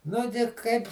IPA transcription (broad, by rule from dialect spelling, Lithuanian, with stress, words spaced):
ˈnʊ ɡʲɪ ˈkɐɪp